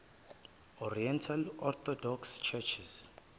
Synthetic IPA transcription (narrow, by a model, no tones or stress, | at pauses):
ɔriɛntʰalɔt̪ʰɔdɔkst͡ʃʰɛt͡ʃʰis